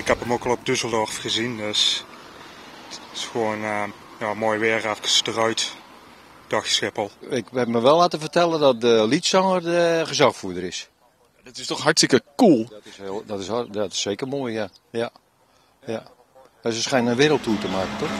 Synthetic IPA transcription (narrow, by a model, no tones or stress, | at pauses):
ɪkhɛpəmokɔlˠɔpdysəlˠdɔrfxəzindøs | ɪ̥sxoːn | jamoːjʋɪrɛfəkəsdərœɥt | d̥ɔxsxɪpəlˠɪkɛpməʋɛlˠːaːtəfərtɛlˠədɔt̚dəlitsɔŋərdəχəzɔxfuədəɾɪs | jadɔtɪstɔxhatstɪkəkulˠdɪsdɔtɪsdɔtɪ̥seːkərmoːjja | ja | ja | əsəsχɛjnənʋɪɾəl̩ˠtuətəmaːkətɔx